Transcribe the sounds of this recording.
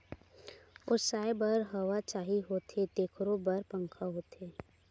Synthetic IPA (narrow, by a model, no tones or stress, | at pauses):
ʊsaːebəɾɦɐʋat͡ʃaːɦiɦot̪ʰet̪eːkʰɾobəɾpə̃ŋkʰaɦoːt̪ʰeː